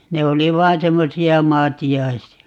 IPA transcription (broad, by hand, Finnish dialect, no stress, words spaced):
ne oli ʋɑːn semːosiɑ mɑːtiɑisiɑ